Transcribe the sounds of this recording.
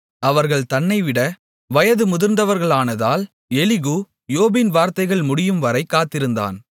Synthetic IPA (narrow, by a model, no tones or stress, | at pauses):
ɐʋɐɾɣɐɭt̪ɐnːɐɪʋɪɽɐ | ʋɐjɐðɯmʊðɪɾnd̪ɐʋɐɾɣɐɭaːnɐðaːl | ɛlɪɣuː | joːbɪnʋaːɾt̪ɐɪɣɐɭmʊɽɪjɯmʋɐɾɐɪkːaːt̪ːɪɾɯnd̪a̰ːn